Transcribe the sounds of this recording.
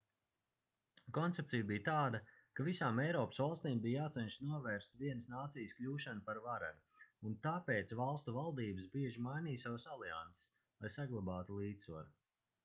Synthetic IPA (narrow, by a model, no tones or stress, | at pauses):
kɔnt̪sep̚t̪sijbijt̪aːd̪a | kavisaːmɛjɾɔːpə̥svalˠst̪iːmbiːjjaːt̪sɛnʃsnuɔvɛːɾst̪viɛnəsnaːt̪sijsklʲuːʃanupaɾvaɾa̰ɾu | unt̪aːpeːt̪svalˠst̪uvalˠd̪iːbɨsbiɛʒimajniːsavsalia̰nt̪se̥s | lˠajsaɡlˠabaːt̪ulˠiːt̪ssva̰ɾu